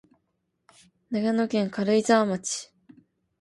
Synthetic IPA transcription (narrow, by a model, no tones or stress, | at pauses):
naɡanokẽ̞ŋkaɾɯizaːmat͡ɕi̥